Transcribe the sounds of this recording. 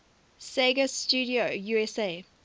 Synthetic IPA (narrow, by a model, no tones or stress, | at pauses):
seɡəstuːɾiojuːɛseː